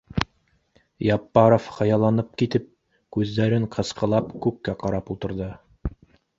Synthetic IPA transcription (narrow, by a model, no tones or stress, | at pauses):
jɑpːɑɾofhɑjɑlˠɑnɤp̚kit̪ɘp̚ | kʉzd̪æɾɘɴqʰɤ̆sqɤ̆lˠɑpkʉkːæqɑɾɑpulˠt̪ɤ̆ɾðɤ